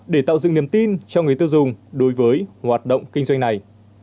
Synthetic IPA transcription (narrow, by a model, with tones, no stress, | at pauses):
ɗe˧˩t̪a̰ː˧˨wzɨ̰˧˨ŋi˧˩əmt̪i˧nt͡ɕɔ˧ŋɨ˨˩t̪ɨ˧wzʊ˨˩ŋ͡mɗo˨˦jvəː˨˦jhwaː˨˩t̚ɗə̰˧˨wŋ͡mkï˧ŋ̟zwa˧jŋna˨˩j